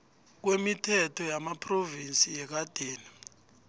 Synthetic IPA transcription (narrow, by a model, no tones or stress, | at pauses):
k̬wemitʰɛtʰɔjamapʰʼrovinsʼijɛk̬ad̥ʱeːni